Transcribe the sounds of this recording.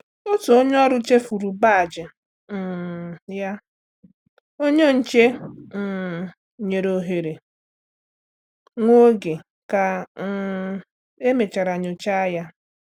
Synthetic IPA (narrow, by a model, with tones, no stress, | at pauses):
o˦tu˨o˦ɲe˦ɔ˦ɾʊ˦t͡ʃe˦fu˨ɾu˨ba˦˨d͡ʒɪ˨ | ja˦ | o˦ɲe˦n̩˨t͡ʃe˦˨ | ɲe˨ɾo˨ɦe˨ɾe˨ | ŋʷo˦ɡe˨ | ka˨˦ | e˦me˨t͡ʃa˨ɾa˨ɲʊ˨t͡ʃa˦a˦ja˦